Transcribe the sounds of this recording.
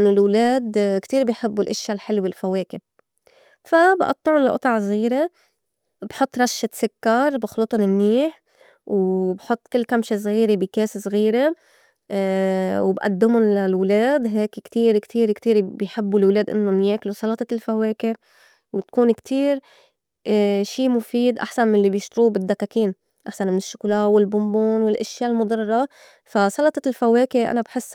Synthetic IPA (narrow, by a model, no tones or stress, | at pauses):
ʔɪnːʊlwleːd̪kt̪iːɾbɪjħɪbːulʔɪʃːalħɪlːwɪlfaweːkɪb | fabʔɑ̰t̪ˤːɑʕʊnlaʔʊ̰t̪ˤɑʕsɣiːɾe | bħʊt̪ˤːɾˤɑʃːat̪sɪkːɑɾˤbɪxlut̪ˤɑnɪmniːħ | wbħʊt̪ˤːkɪlːkamʃes̬ɣiːɾebɪkeːssɣiːɾe | wbʔa̰d̪ːɪmʊnlalwleːd̪ɦeːkkt̪iːɾkt̪ʰiːɾkt̪iːɾbɪjħɪbːulwleːd̪ʔɪ̰nːʊmjeːklusˤɑlɑt̪ˤɑlfaweːke | wɪt̪kuːnkt̪ʰiːɾ | ʃiːmʊfiːd̪ʔa̰ħsanmɪnlːibjɪʃt̪ɾuːbɪd̪ːakːakiːn | ʔaħsanmɪnɪʃːʊ̥kːlaːwɪlbʊmbuːnwɪlʔaʃjaːlmʊd̪ˤɑrˤːɑ | fasˤɑlɑt̪ˤɑlfaweːkɪʔa̰nabħɪsː